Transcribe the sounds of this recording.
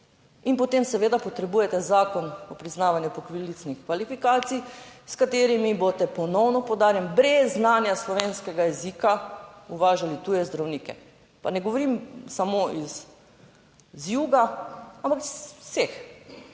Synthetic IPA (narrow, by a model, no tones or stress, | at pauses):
inpɔt̪emsɛʋeːd̪apɔt̪ɾɛbuːjɛt̪ɛzaːkɔnɔpɾiznaːʋanjupɔkʋilit̪snixkʋalifikaːt̪sijskat̪eːɾimibot̪ɛpɔnɔwnɔpɔwd̪aːɾjɛnbɾɛzːnaːnjaslɔʋeːnskɛɡajɛzikauʋaːʒalit̪ujɛzd̪ɾawniːkɛ̰ | panɛɡoʋɔɾimsamoʔiz | zjuːɡaampakissex